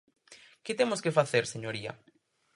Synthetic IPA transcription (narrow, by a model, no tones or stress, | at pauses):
kɪt̪emoskefaθeɾseɲoɾiɐ̰